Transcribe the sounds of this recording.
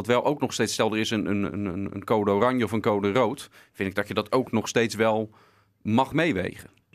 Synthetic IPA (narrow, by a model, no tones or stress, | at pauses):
ɑtʋɛlˠowknɔχstejtsɛlˠdərɪsənə̰nə̰nə̰nə̰nkowdəoːrɑɲjəɔfənkowdərowt | fɪndɪɡ̚dɔtjədɑtʰowknɔχstejtsʋɛlˠ | mɑχmejʋḛjχə